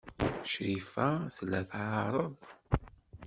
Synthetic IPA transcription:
ʃɾifæθlːæθʕɑɾˤəðˤ

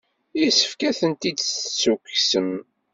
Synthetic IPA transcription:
isə̥fkæθənt̪id̪ssːukːsən

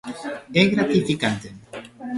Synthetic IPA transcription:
eɣɾat̪ifikant̪e

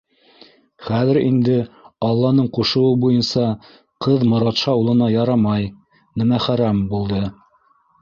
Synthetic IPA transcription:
χæðɘɾḭnd̪ɘɑlˠːɑnɤɴquʃɤ̆wɤbujɤnsɑ | qɤðmŏɾɑt̪ʃɑulˠɤ̆nɑjɑɾɑmɑj | nɘmæχæɾæmbulˠd̪ɤ

